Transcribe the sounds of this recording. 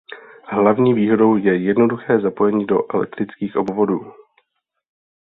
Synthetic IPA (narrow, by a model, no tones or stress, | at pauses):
ɦlavɲiːviːɦo̞do̞wjɛjɛdno̞duxɛːzapo̞jɛɲiːdo̞̰ʔɛlɛ̰k̚t̪ɾɪt͡skiːxʔobvo̞duː